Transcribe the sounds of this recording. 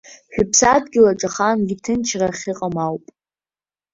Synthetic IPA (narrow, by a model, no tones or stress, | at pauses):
ħᶣʊpʰsadɡʲɪlaʈ͡ʂʼaχanɡʲitʰɨnt͡ʃʰraχʲɪqʼamawpʼ